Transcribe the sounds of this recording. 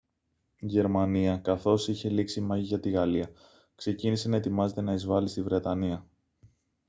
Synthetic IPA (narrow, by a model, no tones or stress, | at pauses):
iʝe̞ɾmɐniɐkɐθo̞siçe̞liksimɐʝiʝɐt̪iɣɐliɐ | kse̞cinise̞nɐe̞t̪imɐze̞t̪e̞nɐizvɐlist̪ivɾe̞t̪ɐniɐ